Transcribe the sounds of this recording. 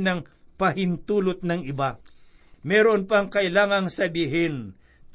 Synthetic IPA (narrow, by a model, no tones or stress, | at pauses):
nɐŋ | pɐhɪnt̪uːlot̪̚nɐŋɪba | mɛːɾonpɐŋkɐʔɪlaːŋɐŋsɐbiːɦɪn